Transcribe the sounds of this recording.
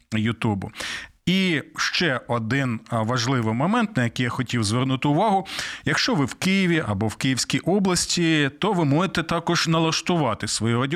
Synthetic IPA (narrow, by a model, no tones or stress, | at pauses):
jʊt̪ubʊ̰ | iʃt͡ʃɛɔd̪ɪnʋɐʒlˠɪʋɪmɔmɛnt̪nɐjɐkɪjaxɔtʲiwzʋɛrnut̪ɪʊʋɑɦʊjɐkʃt͡ʃɔʋɪwkɪjiʋʲiʔɐbɔwkɪjiwsʲkʲijʔɔblˠɐsʲtʲit̪ɔʋɪmɔjet̪ɛt̪ɑkɔʒnɐlˠɐʃt̪ʊʋɑt̪ɪsʋɔjɛɾɔdʲ